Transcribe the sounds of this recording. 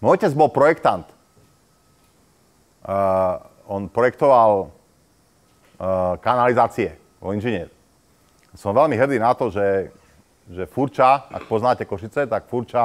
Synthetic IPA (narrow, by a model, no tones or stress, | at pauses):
mɔjcɛd͡zbɔlpɾɔjɛkt̪ant̪ | ɔnpɾɔjɛk̚t̪ɔʋal | kanalizaːt͡siɛ | ʋɔ̰inʒiɲɛːɾ | sɔmʋɛlmiɦrd̪iːnat̪ɔʒɛ | ʒɛfuɾt͡ʃaa̰k̚pɔznaːcɛkɔʃit͡sɛt̪akfuɾt͡ʃa